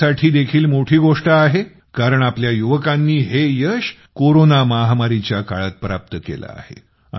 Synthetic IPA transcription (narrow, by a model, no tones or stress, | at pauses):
aʈʰiːd̪ekʰiːlmoʈʰiːɡoʂʈaːɦe | kaɾəɳapljajuʋəkanːiːɦejəɕ | koɾonamaɦmaɾit͡ɕjaka̰ɭat̪̚pɾap̚t̪əkḛla̰a̰hḛ